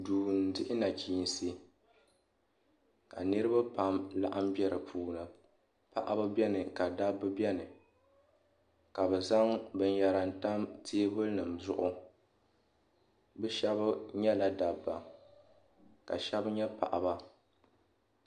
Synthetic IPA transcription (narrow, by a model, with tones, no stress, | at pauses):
duː˨n̩˨dɪ˦ʔɪ˦na˨kʲiː˨n˨si˦ | ka̰˨nɨ˦ɾɨ˦ba˦pa˨mla̰˦ʔa˦m˦bɛ˦ɾɨ˨pʰuː˨nɨ˨ | pa̰˦˨ʔa˦ba˦bɛ˦nɨ˨ka˨da˦bːɨ˦bɛ˦nɨ˨ | ka˨bɛ˨za˦ŋbɨ˦n˦ja˨ɾa˨n̩˨ta˦mtʰeː˦bɨ˦lnɨ˨mzʊ˦ʔʊ˦ | bɛ˦ʃɛ˦bɲɛ˦la˨da˨bːa˨ | ka̰˨ʃɛ˦bɲɛ˦pa̰˨ʔa˨ba˦